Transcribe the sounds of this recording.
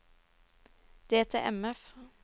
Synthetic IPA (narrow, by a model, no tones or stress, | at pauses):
d̪̥eːt̪ʰḛʔɛ̰mɛf